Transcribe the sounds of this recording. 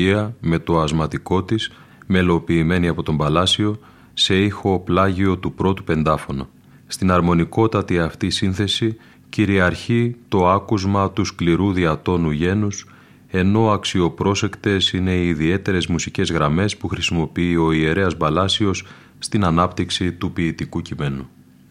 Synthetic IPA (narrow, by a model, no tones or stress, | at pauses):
iɐme̞t̪o̞ɐzmɐt̪iko̞t̪is | me̞lo̞piːme̞niɐpo̞t̪o̞mbɐlɐsio̞ | se̞ixo̞plɐʝio̞t̪upɾo̞t̪upe̞nd̪ɐfo̞no | st̪inɐɾmo̞niko̞t̪ɐt̪iɐft̪isinθe̞si | ciɾiɐɾçit̪o̞ɐkuzmɐt̪uskliɾuðiɐt̪o̞nuʝe̞nus | e̞no̞ɐksio̞pɾo̞se̞kt̪e̞sine̞iːðie̞t̪e̞ɾe̞zmusice̞zɣɾɐme̞spuxɾisimo̞piio̞ie̞ɾe̞ɐzbɐlɐsio̞sː | t̪inɐnɐpt̪iksit̪upiːt̪ikucime̞nu